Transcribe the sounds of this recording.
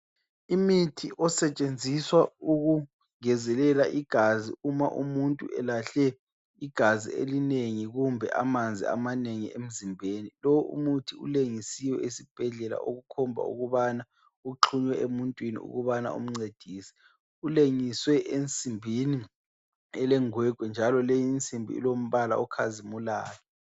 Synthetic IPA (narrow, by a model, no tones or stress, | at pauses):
imitʰiʔɔsɛt͡ʃʼend͡zʱiswauɣu | ŋɛzɛlɛlaʔiɡ̥ʱazḭuma̰ʔṵmuntʼuʔɛlaɬɛ | iɡ̥ʱazḭḛlineŋiɣumbʱɛ̰ʔa̰mand͡zʱḭa̰maneŋiem̩zimbʱenilowʔṵmutʰiṵleŋisiwɛesib̥ʱɛɮɛla̰ʔoɣukʰɔmbʱa̰ṵɣuβana | uǁʰuɲwɛʔemuntʼwinḭṵɣuβana̰ṵm̩ŋ͡ǀed̥ʱiːsɛ̥ | uleŋiswɛʔent͡sʼimbʱini | ɛlɛŋwɛɡ̥ʱwɛnd͡ʒʱalɔlejint͡sʼimbʱḭḭlom̩βala̰ukʰazimulaːjɔ